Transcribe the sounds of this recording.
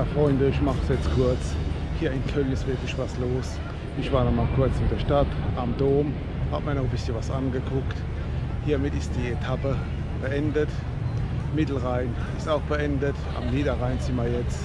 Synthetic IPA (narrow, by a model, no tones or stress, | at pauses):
fʁɔʏndəɪʃmaχəsjɛt͡skʰʊɐt͡s | hiːɐɪnkʰœlnɪstv̥ɪɐklɪʃv̥asloːs | ɪʃv̥aːɐnɔχmaːlkʰʊɐt͡smɪtd̥ɛɐʃtatʔamdoːɐm | haːbmaɐnɔχəbɪsçənvasʔanɡəkʰʊkt | hiːɐmɪtɪst̚d̥iːetʰapə | b̥əʔɛndət | mɪtl̩ʁaɪn | ɪstaʊxb̥əʔɛndətʔa̰mniːdɐʁaɪnt͡sɪmɐjɛt͡s